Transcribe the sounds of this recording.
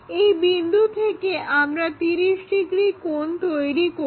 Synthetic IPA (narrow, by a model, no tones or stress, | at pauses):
ejbind̪ʱut̪ʰekeʔamɾat̪iɾiʃʈiɡɾikont̪ojɾiko